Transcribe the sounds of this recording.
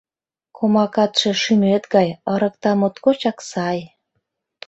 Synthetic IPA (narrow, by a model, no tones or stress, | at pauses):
kʰomɑkɑt̪ʃĕʃymet̪ɡɑjəɾə̆k̚t̪ɑmot̪kot͡ɕɑksɑj